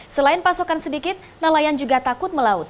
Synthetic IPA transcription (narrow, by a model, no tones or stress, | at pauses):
səlaɪnpasokansədikɪt̪̚nalajand͡ʒuɡat̪akʊt̪̚məlaʊt̪̚